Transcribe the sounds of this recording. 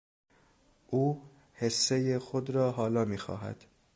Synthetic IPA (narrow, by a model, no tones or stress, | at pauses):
ʔuː | he̞sːejexod̪ɾɒːɦɒːlɒːmiːxɒ̰ːɦæ̰d̪̥